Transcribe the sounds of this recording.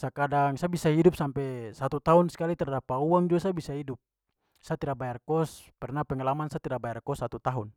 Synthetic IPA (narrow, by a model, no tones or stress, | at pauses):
sakadaŋsabisaɦidup̚sampɛsat̪ut̪aunskalit̪ɛrdapauaŋd͡ʒuasabisaɦidup̚ | sat̪iɾabajarkɔspɛrnapɛŋalamansat̪iɾabajarkɔsːat̪ut̪aɦun